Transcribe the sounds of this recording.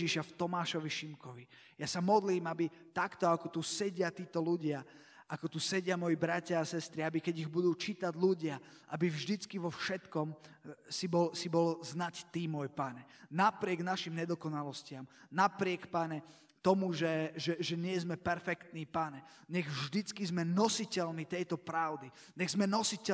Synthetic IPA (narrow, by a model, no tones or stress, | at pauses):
iʃaft̪ɔmaːʃɔʋiʃimkɔʋi | jasamɔd̪liːmabi | t̪akt̪ɔakɔt̪usɛɟɪat̪iːt̪ɔluɟɪa | ʔakɔt̪usɛɟɪamɔjibɾacɪaːsɛst̪ɾiabikɛɟiɣbud̪uːt͡ʃit̪aɟluɟɪa | ʔabivʒd̪it͡skiʋɔfʃɛt̪kɔmsibɔlsibɔlznact̪imɔjpaɲɛnapɾɪɛɡnaʃimɲɛd̪ɔkɔnalɔscɪamnapɾɪɛkpaɲɛ | t̪ɔmuʒɛʒɛʒɛɲɪɛzmɛpɛɾfɛkt̪niːpaɲɛ | ɲɛɣʒd̪it͡skizmɛnɔsicɛlniːt̪ɛjt̪ɔpɾaʊd̪i | ɲɛɣzmɛnɔsicɛ